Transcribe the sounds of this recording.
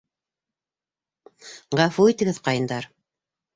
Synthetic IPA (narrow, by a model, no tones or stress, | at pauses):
ʁɑfuit̪ɘ̆ɡɘðqɑjɤ̆nd̪ɑɾ